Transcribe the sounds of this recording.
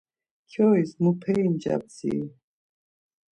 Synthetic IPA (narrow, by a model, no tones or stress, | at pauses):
kʰjɔismupʰɛind͡ʒa̰b̚t͡sḭ